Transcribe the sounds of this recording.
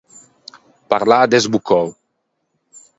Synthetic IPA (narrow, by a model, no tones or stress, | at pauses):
paɾlad̪ezbukʰɔw